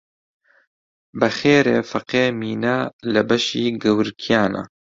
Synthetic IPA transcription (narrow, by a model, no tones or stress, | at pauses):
bɐxeːɾḛːfɐqeːmiːnɛlɨbɐʃiːɡɐwɨɾkʰijaːnɐ̰